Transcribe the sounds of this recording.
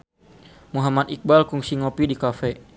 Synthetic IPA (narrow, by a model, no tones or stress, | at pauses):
muɦamad̪ik̚balkuŋsiŋɔpidikafɛ